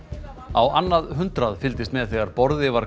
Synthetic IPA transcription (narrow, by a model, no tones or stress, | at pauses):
awanːaðɦʏnt̪ɾaðfɪlt̪ɪst̪mɛðθɛɣaɾpɔɾðɪvaɾ